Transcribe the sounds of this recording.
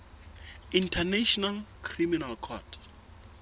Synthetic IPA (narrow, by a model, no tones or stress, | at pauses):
ĩntʰanɛʃɔnalkʰriminalkʰɔtʰ